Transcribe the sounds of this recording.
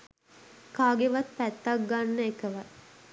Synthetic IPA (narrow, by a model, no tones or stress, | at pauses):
kaːɡeʋat̪̚pæt̪ːakɡanːəekəʋa